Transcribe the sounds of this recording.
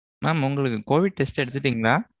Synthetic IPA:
maːmʊŋɡɐɭɯkːɯkoːʋɪɽ̚ʈɛsʈɛɽɯt̪̬ːɯʈːiːŋɡɐɭaː

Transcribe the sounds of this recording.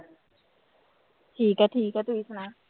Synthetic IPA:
t̪ʰiːkat̪ʰiːkat̪uisʰana

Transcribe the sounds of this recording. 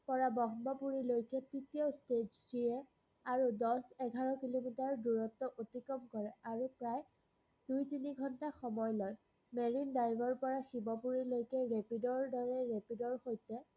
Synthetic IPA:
pɔɹabɔxbɔpuɹilojkɛtitiosted͡ʒdijɛ | aɹudɔsɛɡʱaɹɔkilomitaɹduɹɔtːɔʔotikɔmkɔɹɛaɹupɹaj | d̥ujtiniɡʱɔntaxɔmɔjlɔj | meɹindajbɔɹpɔɹaxibɔpuɹilojkɛɹepidɔɹdɔɹɛɹepidɔɹxojtɛ

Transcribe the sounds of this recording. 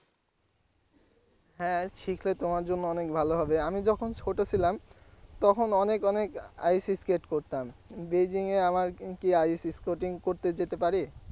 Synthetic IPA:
ɦɛ̃ʃikʰlet̪omaɾd͡ʑonːoɔnekbʱaloɦɔbeamid͡ʑɔkʰonʃʰoʈot͡ɕʰilamt̪ɔkʰonɔnekɔneka̰jsiskeʈkoɾt̪ambed͡ʑiŋeamaɾkiajsiskoʈiŋkoɾt̪ed͡ʑet̪epaɾi

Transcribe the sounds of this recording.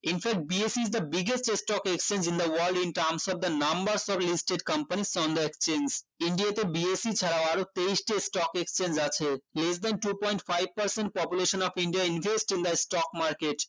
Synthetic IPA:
infɛk̚ʈ̚biesiːzd̪ɐbiɡesʈesʈɔkekst͡ɕẽnd͡ʑĩnd̪ɐwɐɾlɖĩnʈaɾmsɔfd̪ɐnɐmbɐɾsɔflisʈeɖkɐmpaniʃɔ̃nd̪oekst͡ɕẽnd͡ʑiɳɖiat̪ebiesit͡ɕʰaɾaoaɾot̪eisʈisʈɔkekst͡ɕend͡ʑat͡ɕʰelesd̪ɛnʈupɔ̃j̃ɳʈfajb̚pɐɾsẽnʈ̚pɔpjuleʃonɔfiɳɖiainvʱesʈĩnd̪ɐsʈɔkmaɾkeʈ

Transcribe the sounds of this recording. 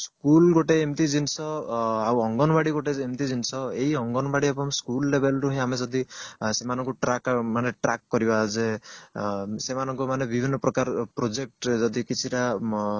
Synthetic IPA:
skulɡoʈeːmt̪id͡ʒinsɔawɔŋɡɔnɔbaɽiɡoʈeemt̪id͡ʒinsɔeiɔŋɡɔnbaɽiepɔmskulːebelɾuɦẽamed͡ʒɔd̪isemanɔŋkuʈɾakmaneʈɾakːɔɾibad͡ʒe | semanɔŋkɔmanebibʱinːɔpɾɔkaɾpɾod͡ʒek̚ʈd͡ʒɔd̪ikit͡ʃʰiʈa

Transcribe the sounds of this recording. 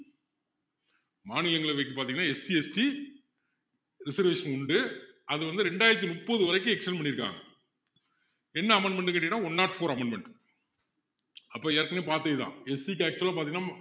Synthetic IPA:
maːnɪlɐŋɡɐɭɐʋɐɪkːɯpːaːɾt̪iŋɡɐnːaːɛsiɛsʈi | ɾɪsɐɾʋeːʂɐnʊɳɖɯɐðɯʋɐnd̪ɯɾɛɳɖaːjɪɾɐt̪̬ːinʊpːoːðɯʋɐɾɐɪkːɯ̃ɛkʂɐnpɐɳːɪɾɯkːa̰ːŋɡɐ | ɛnːɐɐmɐɳɖmɛɳɖɯŋkɐʈ̬ːɪɐʈːãːɔnːaːʈfoːɾɐmɐɳɖmɛɳʈ | ɐpːoːɛːɐɾkɐneːpaːɾt̪ejt̪ã̰ːɛsik̬ːæːk̚t͡ʃɯɛlːaːpaːɾt̪iŋːɐnaː

